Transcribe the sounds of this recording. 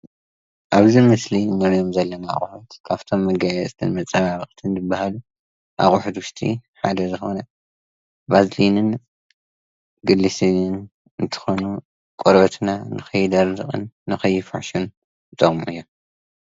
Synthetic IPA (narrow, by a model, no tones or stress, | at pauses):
ʔaβzimɨslinːɐɾijomzɐlːɐnaa̰χʼħut̪kʰaβt̪ʰo̞mːɐɡajɛsʼt̪ʰɨnmɐt͡sʼːaβaβɐχʼt̪ʰɨnzɨbːahalu | ʔa̰χʼuħut̪wʊʃt̪ʰʼḭħad̪ɐzɨxonɐ | bazlinɨn | ɡɨlːisinɨn | ɨnt̪ʰɨ̥xonu | kʼoɾbɐt̪ʰnanɨxɐjːd̪ɐɾzɨχʼɨ̰nːɨxɐjːɪfɐ̰ħʃun | t̪ʼɐɣʼmuʔɨjːo